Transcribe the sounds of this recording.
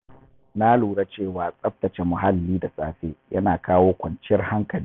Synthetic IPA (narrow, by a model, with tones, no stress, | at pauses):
na˦luː˨ɽa˦t͡ʃeː˦˨waː˨sʼɐ˦ɸ̚tɐ˨t͡ʃe˨mʊ˨ɦa˦lːiː˦da˨sʼaː˦ɸeː˦jʔɐ˦naː˨kaː˦woː˦kʷɐ˨nt͡ʃɪ˦ɐ˦rha˦ŋkɐ˨liː˦